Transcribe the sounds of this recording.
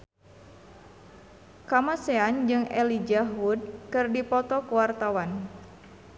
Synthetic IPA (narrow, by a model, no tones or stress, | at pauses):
kamasɛand͡ʒɨŋɛ̰lid͡ʒaɦud̚kɨrdipɔt̪ɔkuwart̪awan